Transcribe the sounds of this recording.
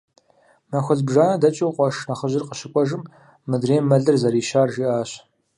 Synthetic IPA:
mɐxʷɔɮbʒaːnɐdɐt͡ʃʼiwqʷʼɔʂnɐχəʑɪrqəɕɪkʷʼɔʒɨmː | ɨdreːmmːɐɮɨrzɐɾiːʃaːrʒiːʔaːɕ

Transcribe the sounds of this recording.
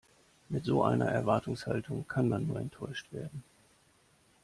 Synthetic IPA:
mɪtz̥oːʔa̰ɪnɐ̰ʔɛɐvaɐtʰʊŋsha̰ltʰʊŋkʰanmanːuːɐɛntʰːɔʏʃtv̥eːɐdn̩

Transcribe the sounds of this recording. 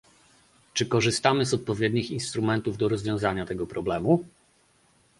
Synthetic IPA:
t͡ʂɘkɔʐɘst̪amɘzɔt̪̚pɔvʲjɛd̪ɲixinst̪ɾumɛnt̪uvd̪ɔɾɔzvʲjɔ̃w̃zaɲat̪ɛɡɔpɾɔblɛmu

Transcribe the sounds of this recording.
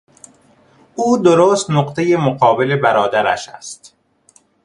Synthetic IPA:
uːd̪oɾoːst̪noqt̪ʰejemoɢɒːbele̞bæɾɒːd̪æɾæ̰ʃæ̰st̪

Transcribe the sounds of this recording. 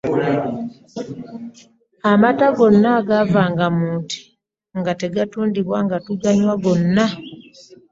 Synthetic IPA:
amataɡo̞nːaɡavaːŋɡamuːntʰi̥ | ŋɡate̞ɡatuːndiβwaŋɡatuɡaɲwaɡo̞nːa

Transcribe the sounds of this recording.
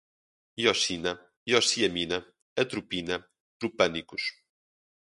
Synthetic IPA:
jɔsinɐ | jɔsiɐminɐ | ɐt̪ɾupinɐ | t̪ɾupɐnikuʃ

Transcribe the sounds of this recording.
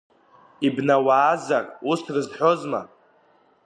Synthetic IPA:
ibnawaːzarʼustʰrɨzħʷᶣo̞zma̰

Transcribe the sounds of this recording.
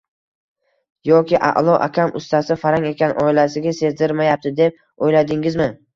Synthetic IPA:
jɒkʲʰɪʔa̰ʔlˠɒʔa̰kʲʰamʊst̪ʰasɪfaɾaŋe̞kʲanʔɒɪlasɪɡʲase̞zd̪ɪɾmajap̚t̪ʰɪd̪e̞p̚ | ojlad̪ɪŋɪzmɪ

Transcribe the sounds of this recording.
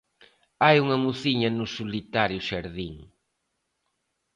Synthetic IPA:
ajuŋɐmuθiɲɐnʊsulit̪aɾjʊʃaɾðiŋ

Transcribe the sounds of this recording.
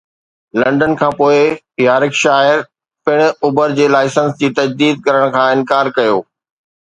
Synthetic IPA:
lɐ̃ɳɖənkʰãːpoːɪ | jaːɾɪkʃaːɪɾ | pɪɽ̃̆ʊbəɾd͡ʑeːlaːɪsənsd͡ʑiːt̪ɐd͡ʑd̪iːd̪̚kɐɾəɽ̃kʰãːɪ̃nkaːɾkɐjoː

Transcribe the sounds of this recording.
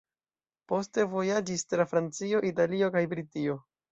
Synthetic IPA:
po̞ste̞vo̞jad͡ʒistafɾant͡sio̞ʔitalio̞kajbɾitio̞

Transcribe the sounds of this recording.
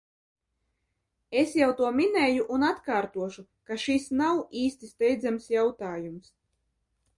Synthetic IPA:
esjawt̪uɔminɛːjuʔunat̪kaːɾt̪uɔʃukaʃisnawiːst̪ist̪ɛjd̪zamsjawt̪aːjums

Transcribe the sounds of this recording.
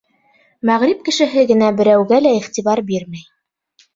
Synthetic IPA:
mæʁɾip̚kɘ̆ʃɘ̆ɦɘɡɘ̆næbɘ̆ɾæwɡælæiχt̪iβɑɾbiɾmæj

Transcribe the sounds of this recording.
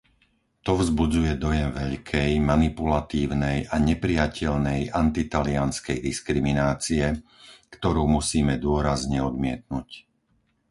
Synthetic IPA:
t̪ɔvzbud͡zujɛd̪ɔjɛmʋɛʎkʰɛjmanipulat̪iːʊnɛjʔaɲɛpɾijacʰɛʎnɛjant̪it̪alianskɛjd̪iskɾiminaːt͡siɛkt̪ɔɾuːmusiːmɛd̪ʊɔɾazɲɛɔd̪mɪɛt̪̚nuc

